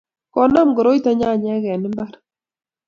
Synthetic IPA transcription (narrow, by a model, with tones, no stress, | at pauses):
kɔ˦na˦mɡɔ˨ɾo˦i˦ta˦ɲa˦˨ɲa˦ɣɛ˨nɪ˦mba˦ɾ